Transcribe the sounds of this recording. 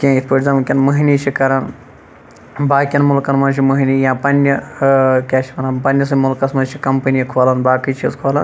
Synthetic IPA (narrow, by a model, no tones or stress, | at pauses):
kʲãit̪ʰpəʈzaːmɨkʲɐnmɐɦiniːt͡ʃʰikɐɾɐn | baːkʲɐnmulkɐnmɐnt͡ʃʰimɐɦiniːjãːpɐnʲjɐkʲaːʃimɐnanpɐnʲjɐs̬ɨmulkɐsmɐnt͡ʃʰikɐmpɐnijɐkʰoːlɐnbaːkit͡ʃʰizkʰoːlɐ̰n